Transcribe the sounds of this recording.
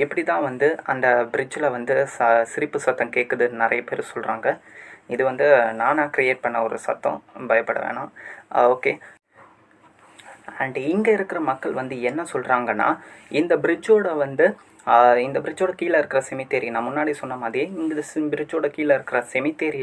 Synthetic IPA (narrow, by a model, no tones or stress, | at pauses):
ɪpːɐɽit̪ãːʋɐnd̪ɯɐ̰nd̪ɐbɪɾɪd͡ʒɪlɐʋɐnd̪ɯsɐsɪɾɪpːɯsɐt̪ːɐ̃keːʈkːɐðɯnɪɾɐ̰jɐpeːɾsɔlɾaːŋɡɐɪðɯʋɐnd̪ɯnãːnãːkɪɾɪjeːʈ̚pɐɳːɐɔɾɯ̰sɐ̰t̪ːɐ̰̃bɐjɐpːɐɽɐ̰ʋḛːɳãːoːkeː | ɐɳɖɪŋɡɐɪɾɯkːɪɾɐmɐkːɐɭʋɐnd̪ɯɛnːɐsɔlɾaːŋɡɐnːa̰ːɪnd̪ɐbɪɾɪd͡ʒoːɽɐʋɐnd̪ɯ | ɪnd̪ɐbɪɾɪd͡ʒoːɽɐkiːlɐɪɾɯkːɪɾɐsɛmɪt̪ːeːɾinãːmʊnːaːɽisɔnːɐmaːðɾiɪnd̪ɐbɪɾɪd͡ʒoːɽɐkiːlɪɾɯkːɪɾɐsɛmɪt̪ːeːɾi